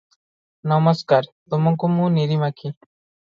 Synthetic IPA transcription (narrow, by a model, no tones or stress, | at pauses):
nɐməskaːɾt̪ʊmʊŋkumũniɾimakʰi